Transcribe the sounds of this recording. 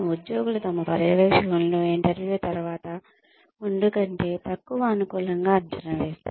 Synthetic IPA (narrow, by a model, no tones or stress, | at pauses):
ud̪joːɡulut̪ɐmɐpɐɾɐʋeːkʂɐkɐnloːiɳʈɐɾʋjuːt̪ɐɾuʋaːt̪ɐ | uɳɖukɐɳʈe̞ːt̪ɐkːuʋɐːnukuːlɐŋɡaːɐt͡ʃɐnːɐʋeːst̪ṵ